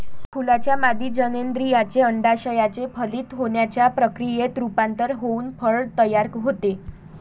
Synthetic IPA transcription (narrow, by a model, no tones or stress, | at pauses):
kʰulat͡ɕjamad̪iːd͡ʑənend̪ɾijat͡seəɳɖaɕəjat͡sepʰəliːt̪ɦoɳjat͡ɕjapɾəkɾijet̪ɾupãnt̪əɾɦouːnfʰəɭt̪əjaɾkɦot̪e